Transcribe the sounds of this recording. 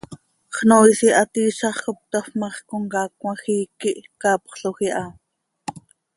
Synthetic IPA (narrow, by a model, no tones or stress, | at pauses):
χnoisiʔɑt̪iːʃɑχkop̚t̪ɑfmɑχkoŋkɑːkwɑxiːkiʔkɑːpχɬoxiʔɑ